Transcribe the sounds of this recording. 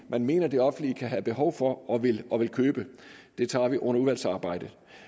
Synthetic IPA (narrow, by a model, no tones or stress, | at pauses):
mænme̝̰ːnɐd̥e̝ɒ̽fn̩liəkʰæɦæb̥e̝ɦɒʊ̰fɒ̽ʔɒ̽ʋe̝lʔɒ̽ʋe̝lkʰøːb̥əd̥e̝t͡sʰɑ̰̈ːʋiʔɔ̽n̰ɐuðʋæl̰sɑ̈ːb̥ɑ̈ɪ̰d̥ə